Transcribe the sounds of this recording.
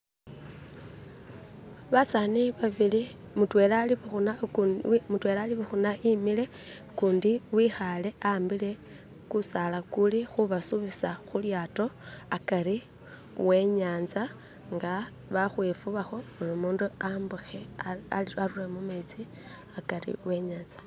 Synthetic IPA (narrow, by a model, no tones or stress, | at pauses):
βasaniβaβili | mutwe̞lali | mutwe̞laliβuxunaʔimile̞ | kuːndiwiːxale̞aːmbile̞ | kusalakulixuβasuβisaxuljaːto̞akaɾi | we̞ɲaːnza | ŋɡa | βaxwefuβaxo̞mulomuːnduambuxeaaɾuremumet͡si | akaɾḭwe̞ɲaːnzḁ